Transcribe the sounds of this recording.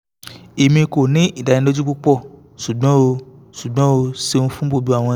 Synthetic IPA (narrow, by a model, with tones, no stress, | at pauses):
e˨mĩ˧ko˨nĩ˦i˦˨da˨˧nĩ˧do˦d͡ʒu˦k͡pu˦k͡pɔ˦˨ | su˨ɡ͡bɔ̃˦o˧ | su˨ɡ͡bɔ̃˨˦o˧se˧nũ˦fũ˦bo˦˨bu˦a˨w̃ɔ̃˧